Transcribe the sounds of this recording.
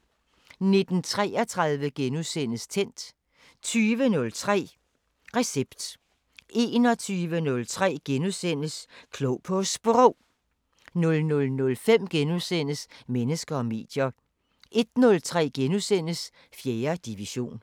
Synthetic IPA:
ne̝d̥n̩t͡sʰʁɛ̰ːɐt͡sʰʁɑ̈ðˠʋəɡ̥enusen̰əst͡sʰen̰d̥ | t͡sʰyːʋənɔ̽lt͡sʰʁɛ̰ː | ʁɛseb̥d̥ | e̝ːnɒ̽t͡sʰyːʋənɔ̽lt͡sʰʁɛ̰ːɡ̥enusen̰əskʰloʊpʰɔ̽sb̥ʁɔʊ̰ | nɔ̽lnɔ̽lnɔ̽lfem̰ɡ̥enusen̰əsmenəsɡ̥ɐɒ̽me̝̰ːd̥jɐ | ʔe̝d̥nɔ̽lt͡sʰʁɛ̰ːɡ̥enusen̰əs | fjeːɐd̥iʋiɕo̝̰ːn

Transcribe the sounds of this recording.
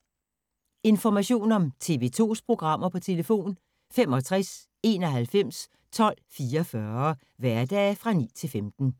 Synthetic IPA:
e̝nfɒmæɕo̝̰ːnɒ̽mt͡sʰe̝ʋe̝̰ːt͡sʰo̝̰ːspʰʁo̝ɡ̥ʁɑ̈m̰ɐpʰɒ̽t͡sʰe̝ləfo̝̰ːn | fem̰ɒ̽t͡sʰʁas | e̝ːnɒ̽ɦælfem̰s | t͡sʰɒ̽l̰fiːɐfɶɐ | ʋæɐd̥ɛːfʁɑ̈nḭːt͡sʰe̝lfemd̥n̩

